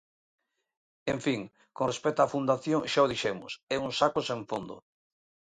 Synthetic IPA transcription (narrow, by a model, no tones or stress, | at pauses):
eɱfiŋ | kõnrespɛt̪oafund̪aθjoŋʃaoðiʃɛmʊsɛuŋsakosẽɱfond̪ʊ̰